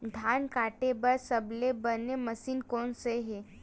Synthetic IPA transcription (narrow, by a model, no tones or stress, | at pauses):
d̪ʱaːnkaːʈebəɾsəblebəneməsiːnkɔːnseɦe